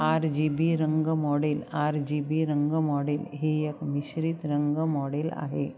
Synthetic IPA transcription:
aɾd͡ʑibiɾəŋɡəmɔɽelaɾd͡ʑibiɾəŋɡəmɔɽelɦeekmiɕɾit̪ɾəŋɡəmɔɽela̰ɦḛ

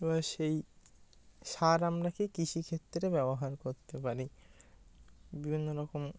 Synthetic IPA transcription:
baʃej | ʃaɾamɾakikiʃikʰet̪ːɾebɛboɦaɾkoɾt̪epaɾi | bibʱinːoɾɔkom

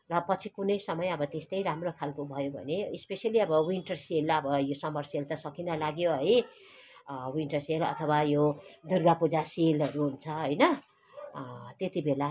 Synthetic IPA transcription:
rʌpʌt͡sʰikunʌjsʌmʌjʌbʌt̪est̪ʌjɾamrokʰalkobʱʌjobʱʌ̰neispesiʌliʌbʌwiɳʈʌrselʌbʌjosʌmʌrselt̪ʌsʌkinʌlaɡjoɦʌj | winʈʌrselʌ̰t̪ʰʌwajod̪urɡapud͡zaselɦʌɾuɦunt͡sʰʌɦʌjnʌ | t̪et̪ibela

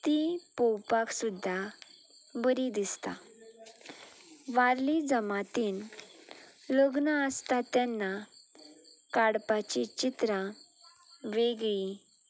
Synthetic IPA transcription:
t̪ipɔwpaksud̪ʱːa | bəɾid̪ist̪a | ʋaɾlid͡zəmat̪in | ləɡnaəst̪at̪janːa | kaɽpat͡ɕit͡ɕit̪ɾã | ʋeɡɭi

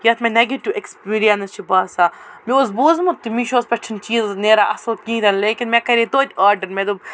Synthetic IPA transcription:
jɐt̪menɐɡiʈːuʔekspiːɾijɐnst͡ʃʰibaːsamiozboːzmɐt̪umiʃoːspʲɐʈʰɐnt͡ʃiːzneːɾaːʔɐsoːkĩːd̪ɐnleːkʲinmʲekɐɾit̪oːt̪ʲaːɾɖɐɾmʲed̪u

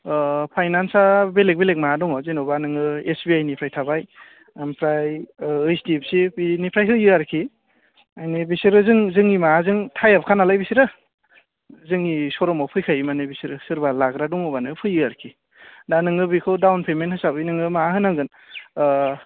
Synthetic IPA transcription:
pʰajnansabelek̚belek̚maadɔŋɔzinɔbanɯŋɯesbiajnipʰɾajtʰabaj | ampʰɾajɯjsdip̚sipinipʰɾajɦɯjɯaɾkʰi | ajnibisiɾɯzɯŋzɯŋimazɯŋtʰajap̚kʰanalajbisiɾɯ | zɯŋisɔɾɔmawpʰɯjkʰajmanebisiɾɯsɯɾbalaɡɾadɔŋɔbanɯpʰɯjɯaɾkʰi | danɯŋɯbikʰɯwdawnpʰemenhɯsabɯjnɯŋɯmaɦɯnaŋɡɯn

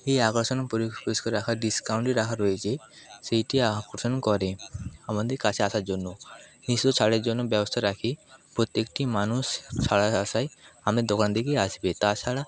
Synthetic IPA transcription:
eakɔɾsɔnɔpɔɾipɔɾiskɔɾakʰaɖiskawɳʈiɾakʰaɾɔet͡ʃʰe | sejʈiakɔɾsɔnɔkɔɾeamɔnd̪ikat͡ʃʰeasaɾd͡ʒonːɔnist̪ɔt͡ʃʰaɽeɾd͡ʒonːɔbjɛbɔst̪ʰaɾakʰipɾot̪jekʈimanust͡ʃʰaɭaasajamɾed̪okand̪ekiasibet̪at͡ʃʰaɽa

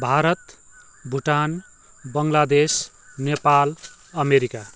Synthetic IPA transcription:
bʱaɾʌt̪ | bʱuʈan | bʌŋlad̪es | nepal | ʌmeɾika

